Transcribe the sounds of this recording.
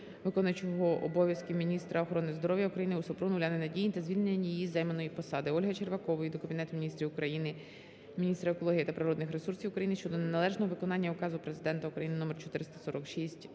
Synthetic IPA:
ʋɪkɔnɐt͡ʃɔɦɔʔɔbɔʋʲjɐskimʲinʲist̪ɾʔɐɔxɔɾɔnɪzd̪ɔɾɔʋjɐukɾɐjinɪusɔpɾunʊlʲɑnɪnɐdʲijit̪ɐzʲʋʲilʲnenʲːijijizɛjmɐnɔjipɔsɑd̪ɪɔlʲɦɐt͡ʃerʋɐkɔʋɐjid̪ɔkɐbʲinɛt̪ʊminʲist̪ɾʲiʊkɾɐjinɪ | mʲinʲist̪ɾɐekɔlˠɔɦijit̪ɐpɾɪɾɔd̪nɪxɾesursʲiwʊkɾɐjinɪʃt͡ʃɔd̪ɔnenɐlˠɛʒnɔɦɔʋɪkɔnɑnʲːɐʊkɑzʊpɾe̞zɪd̪ɛnt̪ɐukɾɐjinɪnɔmɛrt͡ʃɔ̥t̪ɪɾɪst̪ɐ̥sɔɾɔkʃisʲtʲ

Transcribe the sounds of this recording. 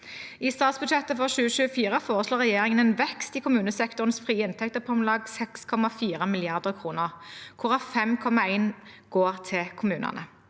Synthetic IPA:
iːst̪ɑːt̪sbʉd̪ʃɛt̪əfɔʁʃʉːəʃʉːəfiːʁəfoːʁəsloːʁɛjeːʁɪŋənɛːnʋɛkst̪iːkʰʊmʉːnəsɛkt̪ʊʁnsfʁiːɪnt̪ʰɛk̚t̪əpʰɔmlɑːɡsɛkskʰɔmɑfiːʁəmɪlɪɑʁd̪əʁkʰʁuːnəʁkʰʊʁɑfɛmkʰɔmɑæɪnɡ̥oːʁt̪ʰɪlkʰʊmʉːnɑ̰nə

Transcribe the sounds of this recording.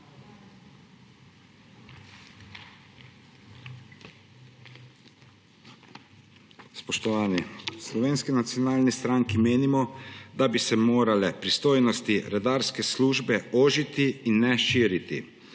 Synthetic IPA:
spɔʃt̪ɔʋaːnislɔʋeːnskinat̪sijɔnaːlnist̪ɾaːŋkimeːnimɔd̪abisɛmoːɾalɛpɾist̪oːjnɔst̪iɾɛd̪aːɾskɛsluːʒbɛoːʒit̪iːnːɛʃiːɾit̪ḭ

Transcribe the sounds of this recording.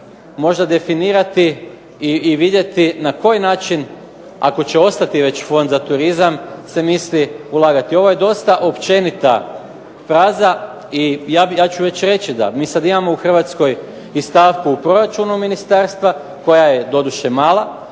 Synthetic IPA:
mo̞ʒd̪ad̪e̞finiːɾat̪i | iiʋid̪je̞t̪inako̞jnaːt͡ʃin | a̰ko̞t͡ɕe̞o̞st̪at̪iʋe̞t͡ɕfo̞nd̪zat̪uɾizamse̞misliulˠaːɡat̪io̞ʋoje̞d̪o̞st̪aʔo̞pt͡ʃe̞nit̪a̰ | fɾaːza | ijajaːt͡ɕuʋe̞t͡ɕɾe̞t͡ɕid̪a̰miːsad̪imamouxr̩ʋat̪sko̞j | ist̪aːʋkuːpɾo̞ɾat͡ʃunuminist̪aɾst̪ʋa | ko̞jaje̞d̪o̞d̪uʃemaːlˠa

